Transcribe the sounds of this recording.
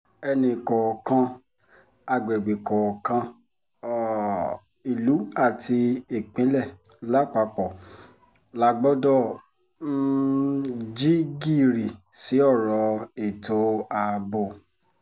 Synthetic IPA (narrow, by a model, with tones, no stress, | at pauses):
ɛ˧nĩ˧˨kɔ˨kã˧ | a˧ɡ͡bɛ˨ɡ͡be˨kɔ˨kã˧˨ | i˨lu˨˦a˦˨ti˧e˨k͡pĩ˨˦lɛ˦˨ | la˦k͡pa˧k͡pɔ˨ | la˧˦ɡ͡bɔ˦dɔ˦˨˦ | d͡ʒi˦ɡi˦˨ɾi˨ | si˨˦ɔ˦˨ɾɔ˧e˨to˧˦a˧bo˧˨